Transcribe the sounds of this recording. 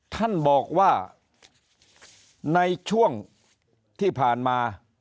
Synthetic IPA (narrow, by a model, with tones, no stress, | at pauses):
t̪ʰa˥˩nbɔː˨˩k̚waː˥˩ | na˧jt͡ɕʰu˥˩əŋ | t̪ʰiː˥˩pʰaː˨˩nmaː˧